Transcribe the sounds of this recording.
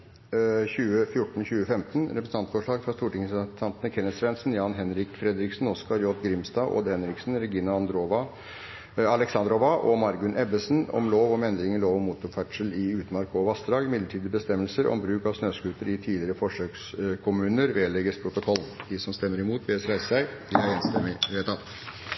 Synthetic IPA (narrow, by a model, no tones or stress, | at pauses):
çʉːəfjʊʈːɳ̩çʉːəfɛmt̪ənɾɛpɾəsn̩ʰɑnt̪fɔʂɭɑːɡfɾɑst̪uːʈɪŋəst̪ʰɑnt̪ənəkʰɛnːəsɾɛnsənjɑːnɦɛnɾɪkfɾɛd̪ɾɪksnɔskɑɾjɔt̪ɡɾɪmst̪ɑːo̰ːd̪əhɛnɾɪksn̩ɾɛɡiːnɑɑnd̪ɾoʋɑ | ɑlɛksɑnd̪ɾɔʋɑʔɔmɑɾɡʉnʔɛbəsənɔ̰mloːʋɔmɛnd̪ɾɪŋənloːʋɔmuːt̪ʊɾfæʈʂəlɪʉːt̪mɑɾkɔʋɑst̪ɾɑːɡmɪd̪əʈʰiːd̪əbəst̪ɛmːəlsəɾʔɔ̰mbɾʉːkɑʋsnøːskʉːt̪əɾɪt̪ʰiːlɪɾəfɔʂøːkskʰʊmʉːnəɾʋeːlɛɡəspʰɾʊt̪ʊkʰɔlːd̪̥ɪsɔmst̪ɛmːəɾɪmuːt̪ʰʋeːsɾæɪssæɪd̪ɪhɑɾeːnst̪ɛmɪʋeːt̪ʰɑt̪